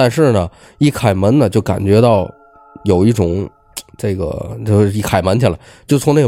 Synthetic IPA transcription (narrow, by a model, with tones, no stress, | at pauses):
t̪a˥˧nʂɻ̩˥˩nə˩ | i˥˩kʰa˨˩ɪmə˧˥nnə˨t͡ɕjo˥˩ʊka̰˨˩nt͡ɕɥɛ˧˥t̪ɑ˥˩ʊ | jo˨˩ʊi˥˩ʈ͡ʂʊ˨˩˦ŋ | ʈ͡ʂɤ˥˩ɡə̰˩t͡ɕo˥˧ʂi˥˩kʰa˨˩ɪmə˧˥nt͡ɕʰi˨˩la˧˥˦ɪt͡ɕjo˥˩ʊt͡sʰʊ˧˥ŋne˥˩˧